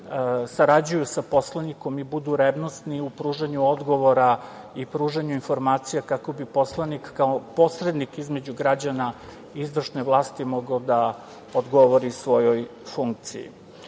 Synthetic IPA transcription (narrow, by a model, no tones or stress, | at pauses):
saɾad͡ʑujusapo̞slˠaniko̞mibud̪uɾebno̞st̪niupɾuːʒaɲuod̪ɡo̞ʋo̞ɾa | ipɾuːʒaɲuinfo̞ɾmaːt̪sijakako̞bipo̞slˠanikːaopo̞sɾe̞d̪nikizme̞d͡ʑuɡɾad͡ʑana | izʋr̩ʃne̞ʋlˠaːst̪imo̞ɡaod̪a | od̪ɡo̞ʋoɾiusʋo̞jo̞jfuŋk̚t̪sḭjḭ